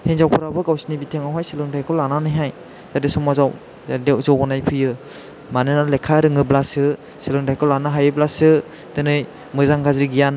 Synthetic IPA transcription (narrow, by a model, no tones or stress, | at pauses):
heŋzawpʰuɾabɯɡawsinibitʰeŋawɦajselɯŋdajkʰɔlananɯjɦaj | tadesɔmazaw | dezɔwɔnajpʰɯjɯ | manɯnalekʰːaɾɯŋɯblasɯ | selɯŋdajkʰɔlanaɦajɯblasɯ | tɯnɯj | mɯzaŋɡazɾiɡijan